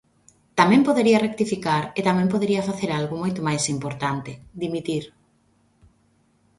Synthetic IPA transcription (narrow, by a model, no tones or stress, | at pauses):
t̪amɛ̃mpoðeɾiɐrek̚t̪ifikaɾet̪amɛ̃mpoðeɾiɐfaθeɾalɣʊmojt̪omajsimpoɾt̪ant̪ɪd̪imit̪iɾ